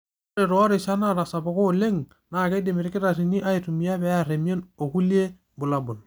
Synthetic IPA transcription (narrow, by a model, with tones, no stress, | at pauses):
ɾe˨ɾo˨a˦ɾi˨ʃa˦na˦ɾa˨sa˨bo˨ko˦˨le˦ŋ | na˨ke˦di˨mi˨ɾi˦ki˦ɾa˨ɾi˨ɲi˦ʔa˦i˨tu˨mi˨ja˦be˦a˦ɾe˨m˦e˦no˨ku˦li˦e˦ | bu˨la˨bu˨n